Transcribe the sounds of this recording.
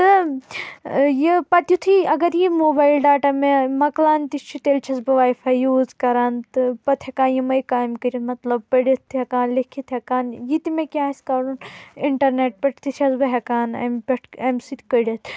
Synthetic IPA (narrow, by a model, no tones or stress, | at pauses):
t̪ɨ | jipɐt̪jut̪ʰɨɐɡɐɾjimoːbaːjlɖaːʈamemɐklaːnt̪ist͡ʃʰit̪eːlt͡ʃʰɐsbɨʋaːjfʰɐjuːzkɐɾaːnt̪ɨpɐt̪ʰɐkaːnjimɐjkaːjmkəɾʲit̪mɐt̪lɐb̚pɐɽit̪ʰːɦɐkaːnlekʰit̪ʰɐkaːnjit̪imekʲaːsʲkaɾuniɳʈɐɾneːʈ̚pɐʈt̪it͡ʃʰɐsbɨɦekaːnɐ̰mbʲɐʈʰɐmsit̪ʲkəɽɐt̪ʰ